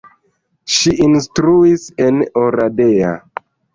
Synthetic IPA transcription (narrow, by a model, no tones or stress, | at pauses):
ʃiʔinstɾuisenoɾadea̰